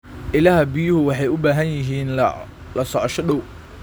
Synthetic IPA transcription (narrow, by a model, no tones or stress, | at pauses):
ʔɪlaɦɐbɪjʊhʊwɑħɑjʊbaːɦɐnjɪɦiːn | lɐsɔʕɔʃɔɗɔw